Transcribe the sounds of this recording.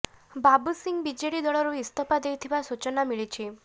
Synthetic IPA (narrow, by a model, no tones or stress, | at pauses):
babusiŋbid͡ʒeɽid̪ɔɭɔɾuist̪ʰɔpad̪ejt̪ʰibasut͡ʃɔnamiɭit͡ʃʰi